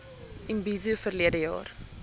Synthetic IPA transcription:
inbizufərliədəjɑ̰ːr

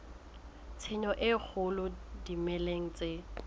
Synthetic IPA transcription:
t͡sʰɪɲɔʔɪk͡xʰʊlʊdimɛleŋ̩t͡sʼe

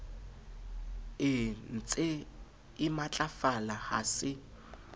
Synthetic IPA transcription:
ɪn̩t͡sʼɪ | ɪmat͡ɬʼafalaha̰sɪ

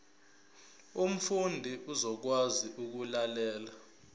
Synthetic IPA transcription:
um̩fundʱiʔuzɔk̬waziʔuk̬ulalɛːla

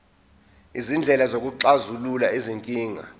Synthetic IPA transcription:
izind͡ɮʱɛlazok̬ʼuǁazululaiziŋkʼiːŋa̰

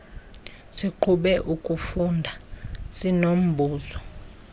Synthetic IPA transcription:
siǃʰuɓɛʔukʼufundʱasinom̩bʱuːzɔ

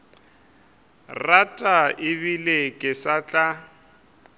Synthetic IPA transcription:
ratʼaɪβilekʼɪsat͡ɬʼa

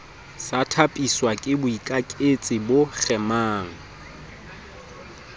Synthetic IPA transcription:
satʰapʼiswakʼɪbʊikʼakʼet͡sʼɪbʊk͡xɛmaːŋ̩

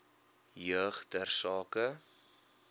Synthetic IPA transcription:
jœχdərsɑːkə

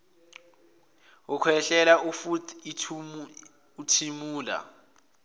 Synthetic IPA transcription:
ʊkʰwɛɬɛlaufutːʰu | utʰimuːla̰

